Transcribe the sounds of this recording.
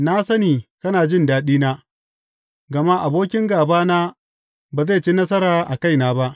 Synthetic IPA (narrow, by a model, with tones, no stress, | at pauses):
na˦sɐ˦niː˨kɐ˦naː˨d͡ʒɪ˦ndaː˦ɗiː˦naː˦ | ɡɐ˨ma˦ʔa˨boː˦kʲɪ˦ŋɡaː˨baː˦naː˦ | baː˨za˦˨t͡ʃi˦nɐ˦s̬ɐ˦ɾaː˨ʔa˨ka˦˨jnaː˦ba˦ʔ